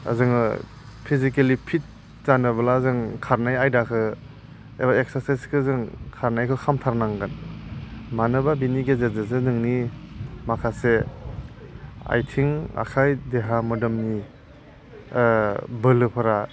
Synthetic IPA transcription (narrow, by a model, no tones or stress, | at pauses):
a̰zɯŋɯ̰ | pʰizikelipʰit̚ | zanɯbɐlazɯŋkʰaɾnajajdakʰɯ | ḛbaeksaɾsajskʰɯzɯŋkʰaɾnajkʰɯkʰamtʰaɾnaŋɡɯn | manɯbabiniɡezezɯzɯnɯŋnimakʰase | a̰jtʰiŋa̰kʰajdeɦamɯdɯmni | bɯlɯpʰɯɾa